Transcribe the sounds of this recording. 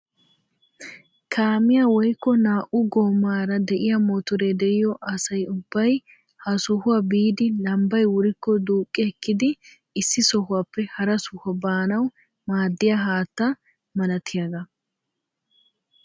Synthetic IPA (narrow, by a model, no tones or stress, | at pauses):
kʰaːmɪjaːwɔjkːɔnaːʔʊɡoːmːaːɾɐd̪ɛʔɪjamɔt̪ʊɾed̪ɛʔɪjɔʔɐsɐjʊbːɐj | hɐsɔhʊwabiːd̪ɪlɐmbɐjwʊɾɪkːɔd̪uːkʼːɪɛkːɪd̪ɪ | ɪsːɪsɔɦʊwaːpːɛhɐɾɐsʊhɔbaːnɐw | maːd̪ːɪjaɦaːt̪ːɐ | mɐlɐt̪ʰɪjaɡɐ